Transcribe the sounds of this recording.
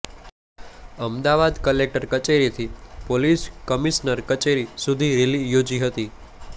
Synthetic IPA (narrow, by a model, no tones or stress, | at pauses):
əmd̪aʋad̪kəlek̚ʈəɾkət͡ʃeɾit̪ʰipoliskəmisnəɾkət͡ʃeɾisud̪ʱiɾelijod͡ʒiɦət̪i